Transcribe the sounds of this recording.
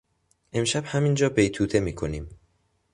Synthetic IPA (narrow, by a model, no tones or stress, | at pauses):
ʔe̞mʃæbhæmind͡ʒɒːbejt̪ʰuːt̪ʰe̞miːkʰoniːm